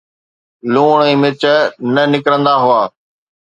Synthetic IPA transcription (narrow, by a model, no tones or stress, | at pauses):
luːɳ̃iːmɪt͡ʃənənɪkɾə̃nd̪aɦʊaː